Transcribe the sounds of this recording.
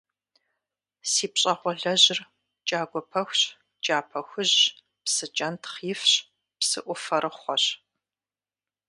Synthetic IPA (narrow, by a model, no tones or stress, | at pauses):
siːpɕʼɐχʷɔɮɐʑɪr | t͡ʃʼaːɡʷɔpʰɐxʷɕ | t͡ʃʼaːpʰɐxʷʊʑ | psɨt͡ʃʼɐntʰχjɪfɕ | psɨ̰ʔʷʊfɐɾɨχʷɔɕ